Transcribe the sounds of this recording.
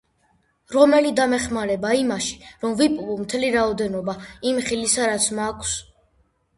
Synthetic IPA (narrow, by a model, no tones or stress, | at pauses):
ɾɔmɛlid̪amɛχmaɾɛbaimaʃi̥ɾɔmvipʼlumt̪ʰɛliɾaɔd̪ɛnɔbaimχilisaɾat̪sʰmakʷʰs